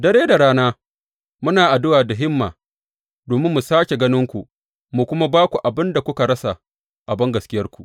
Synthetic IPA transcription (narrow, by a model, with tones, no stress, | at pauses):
dɐ˦ɽeː˦da˨ɽaː˦naː˦ | mʊ˦naː˨ʔa˨dʊ˦waː˨da˨ɦɪ˦mːa̰ː˨ | doː˨mɪ˦mːu˨saː˦kʲe˨ɡɐ˦nɪ˦ŋkʷu˨ | mu˨kʷʊ˦ma˦baː˦kʷu˨ʔa˨bɪ˦nda˨kʷʊ˦ka˨ɽɐ˦sa˨ | ʔa˨bɐ˦ŋɡɐ˨skʲɪ˦jɐ˦rkʷu˨ʔ